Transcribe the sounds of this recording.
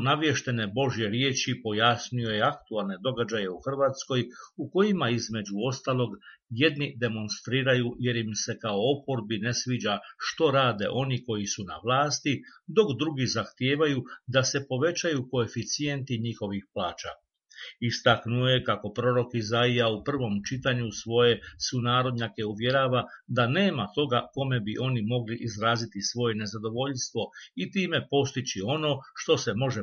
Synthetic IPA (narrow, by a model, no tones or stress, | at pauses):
naʋje̞ʃt̪e̞ne̞bo̞ʒje̞ɾjeːt͡ʃipo̞jasnio̞je̞akt̪ualˠne̞d̪o̞ɡad͡ʑaje̞uxr̩ʋaːt̪sko̞juko̞jimaizme̞d͡ʑuo̞st̪aːlˠo̞ɡje̞d̪nid̪e̞mo̞nst̪ɾiːɾajuje̞ɾimse̞kao̞opo̞ɾbine̞sʋiːd͡ʑaʃt̪o̞ɾaːd̪e̞̰ʔo̞niko̞jisuna̰ʋlˠaːst̪id̪o̞kd̪ɾuɡizaxt̪je̞ːʋajud̪ase̞po̞ʋe̞t͡ɕajuko̞e̞fit̪sije̞nt̪iɲixo̞ʋixplaːt͡ʃa̰ | ist̪aknuoje̞kako̞pɾo̞ɾo̞kizaijaupr̩ʋo̞mt͡ʃit̪aɲusʋo̞je̞sunaːɾo̞d̪ɲake̞uʋje̞ɾaːʋad̪ane̞ːmat̪o̞ɡako̞me̞biʔo̞nimo̞ɡliʔizɾaːzit̪isʋo̞je̞ne̞zad̪o̞ʋo̞ʎst̪ʋo̞it̪iːme̞po̞st̪it͡ɕio̞no̞ʃt̪o̞se̞mo̞ʒe